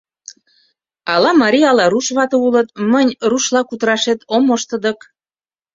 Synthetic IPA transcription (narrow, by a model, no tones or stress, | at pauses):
ɑlɑmɑɾʲiɑlɑɾuʃβɑt̪ɤulət̪mənʲruʃlɑkut̪əɾɑʃet̪omoʃt̪ə̆d̪ə̆k